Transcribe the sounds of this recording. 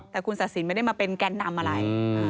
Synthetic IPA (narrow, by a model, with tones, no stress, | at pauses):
t̪ɛː˨˩kʰu˧nsa˨˩t̪̚si˩˦ma˥˩da˥˩maː˧pe˧nkɛ˧nːa˧mʔa˧ɾa˧j